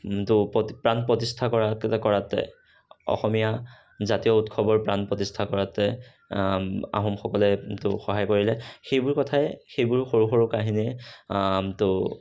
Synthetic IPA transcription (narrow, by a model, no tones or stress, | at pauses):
tʊɔpɹanpɹɔtistʰakɔɹakɔɹatɛ̰ | ɔ̰xɔmija | zatijɔutkʰɔbɔɹpɹanpɹɔtistʰakɔɹatɛ | a̰ɦɔmxɔkɔlɛtʊxɔɦajkoɹilɛxejbʊɹkɔtʰajxejbʊɹxoɹuxɔɹʊkaɦiniɛ | tʊ